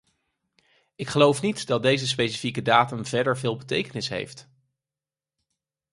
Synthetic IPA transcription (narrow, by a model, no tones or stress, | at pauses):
ɪkχəlowfnitdɑd̚dejzəs̬pejsifikədaːtəmvɛɹdəɹvɪːlˠbətejkənɪsɦḛjft